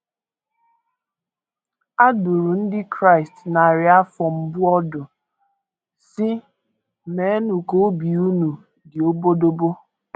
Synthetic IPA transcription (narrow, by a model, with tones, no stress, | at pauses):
a˦dʊ˨ɾu˨n̩˦dɪ˦kɾa˦ɪ˨stna˨ɾɪ˨˦a˦fɔ˨m̩˨bʊ˦ɔ˦dʊ˨ | sɪ˦ | me˨˦nu˨ko˦bi˨u˦nu˨ | dɪ˨o˦bo˦do˦bo˦